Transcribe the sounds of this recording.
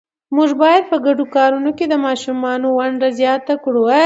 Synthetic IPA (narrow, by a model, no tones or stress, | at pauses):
muʐbɑjad̪̚pəɡaɖokɑɾunoked̪əmɑʃumɑnowaɳɖazjɑt̪akɽowa